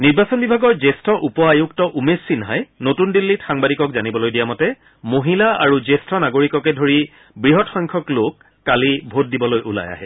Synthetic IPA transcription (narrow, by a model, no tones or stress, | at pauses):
niɹbasɔnbibʱaɡɔɹzestʰɔʔupɔajuktɔʔumesːinɦajnotundilːitxaŋbadikɔkzanibɔlojdijamɔtɛ | moɦilaa̰ɹuzestʰɔnaɡoɹikɔkɛdʱoɹi | bɹiɦɔtxɔŋkʰɔklokː | alibʱot̚dibɔlojʔula̰ja̰ɦɛ